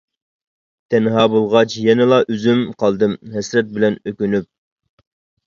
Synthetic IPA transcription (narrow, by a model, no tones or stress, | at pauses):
t̪ʰɛnɦɑːbolˠʁɑt͡ʃjɛnɪlˠɑʔyzymqʰɑlˠd̪ɨmɦɛsɾɛt̪̚bɪlɛnøkʲynyp̚